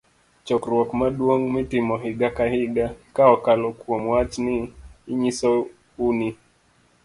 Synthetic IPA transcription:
t͡ʃɔkɾwɔkmadwoŋmɪtɪmɔɦiɡakahiɡakaɔkalɔkwomwat͡ʃniːɲisɔ | uni

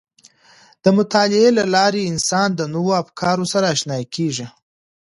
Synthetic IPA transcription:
d̪̥əmʊt̪ɑlɪelalɑɾeɪnsɑnd̪ənowoafkʰɑɾosaɾaːʃnɑjakʰeʒi

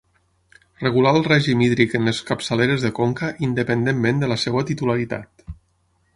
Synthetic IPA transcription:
rəɣulalˠrɛʒimiðɾikənəskəpsəleɾezðəkoŋkəʔind̪əpənd̪emːẽnd̪ələsɛwət̪it̪ulaɾit̪a̰t̪

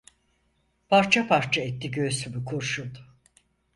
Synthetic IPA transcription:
pʰaɾt͡ʃʰapaɾt͡ʃʰaɛt̪ʰːiɟøst̪ʰybykʰoɾʃud̪

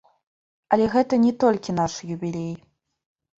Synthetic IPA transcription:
ɐlʲɛɣɛt̪ɐnʲɛt̪ɔlʲkʲinaʂjubʲilʲej

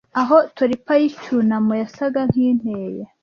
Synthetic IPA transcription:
aɦotwaɾipajit͡ʃunamujasaɡaŋ̥hiːn̥eːje

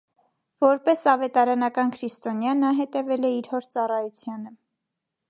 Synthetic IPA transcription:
v̥ɔɾpɛsɑvɛt̪ɑɾɑnɑkɑnkʰɾist̪ɔnjɑnːɑɦɛt̪ɛvɛlɛiɾhɔɾt͡sɑrɑjut͡sʰjɑnə

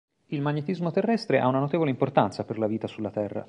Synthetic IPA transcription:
ilmaɲːet̪izmot̪erːɛst̪ɾeʔa̰unanot̪eːvoleimport̪ant̪saperlaviːt̪asulːat̪ɛrːa̰

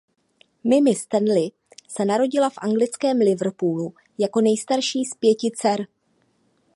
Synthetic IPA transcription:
mɪmɪst̪ɛnlɪ | sɛnaɾo̞ɟɪlafʔaŋɡlɪt͡skɛːmlɪvr̩puːlu | jako̞nɛjst̪aɾʃiːspjɛcɪt͡sɛɾ

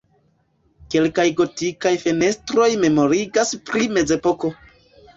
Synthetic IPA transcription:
ke̞lkajɡo̞tikajfe̞ne̞stɾo̞jme̞mo̞ɾiɡaspɾime̞ze̞po̞ko̞

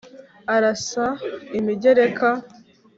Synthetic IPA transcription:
aɾasaimiɟeɾekʰa

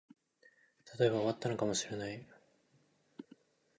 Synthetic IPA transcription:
t̪ʰat̪o̞e̞βaoat̪ːanokamo̞ɕiɾe̞nai

